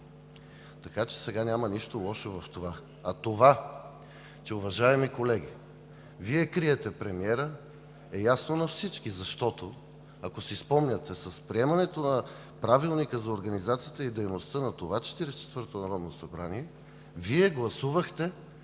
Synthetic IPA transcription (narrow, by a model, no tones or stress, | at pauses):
t̪ɐkat͡ʃɛ̥sɛɡanʲamɐniʃt̪olˠɔʃovɐft̪ova | ɐt̪ova | t͡ʃɛʊvɐʒaɛmikolɛɡ̟ʲi | viɛkɾiɛt̪ɛpɾɛmiɛɾə | ɛjasnonɐfsit͡ʃkizɐʃt̪ɔt̪o | ɐkosispɔmnʲət̪ɛsɐspɾiɛmɐnɛt̪onɐ | pɾavilˠnikəzɐoɾɡɐnizat̪sijət̪əid̪ɛjnost̪ənɐt̪ovat͡ʃɛ̥t̪iɾɛst͡ʃɛ̥t̪vəɾt̪onɐɾɔd̪nosɐbɾaniɛ | viɛɡlˠɐsuvəxt̪ɛ